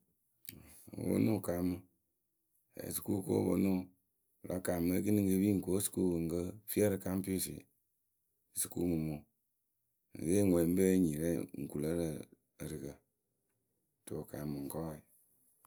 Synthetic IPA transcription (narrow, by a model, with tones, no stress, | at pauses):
wo̰˦nu˦˨ka˨˦mɨ˨ | ḛ˨si̥˨ku˦ko̰˦bo̰˦nu˦˨ | la˦ka˨mɨ˦k̬i˦ni˦ŋ˦ɡə˧bi˦ŋ̩˨ko˦su̥˨ku˦ɨ˨ŋ̩˨kə˦fi˦ɛ˦ɾə˦ka˦m˦pi˦o˦˨sḭ˨ | su˨kṵ˦mɨ˨mo˨ | ŋ̩̰˨ɡe˦ŋʷɛ˨m˦be˦ɲi˨ɾe˦ŋ̩˨ku˨lə˦ɾə˦˨ | ɾɨ˨kə˨ | to˨ka˨mɨ˨ŋ̩˨kɔ˦i˨